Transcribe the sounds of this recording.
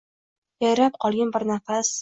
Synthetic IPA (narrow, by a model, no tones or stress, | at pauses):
jajɾap̚qʰɒlˠɡʲanbɪɾnafas